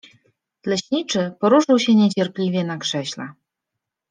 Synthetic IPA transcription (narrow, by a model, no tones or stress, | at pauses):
lɛɕnʲit͡ʂɘpɔɾuʂɨwɕɛɲet͡ɕɛrplʲivʲjɛnakʂɛɕla̰